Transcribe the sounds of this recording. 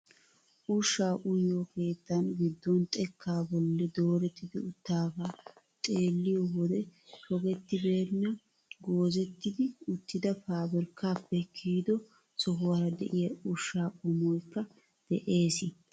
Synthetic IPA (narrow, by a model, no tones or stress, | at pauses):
ʔʊʃːaːʔʊjɔke̞ːt̪ːɐnɡɪd̪ːɔnt̪ʼɛkʰːaːbɔlːɛd̪o̞ːɾɛt̪ːɪd̪ɪʊt̪ːaːɡaː | t̪ʼe̞ːlːɪjɔwɔd̪ɛhɔɡɛt̪ːɪbe̞ːɾnːɐ | ɡoːzɛt̪ːɪd̪ɪʊt̪ːɪd̪ɐfaːbɛɾkʰːaːpːɛkʰiːd̪ɔ | sɔɦʊwaɾɐd̪ɛ̰ʔɪjɐʊʃːaːʔʊmɔjkːɐ | d̪̥ɛʔe̞ːsɪ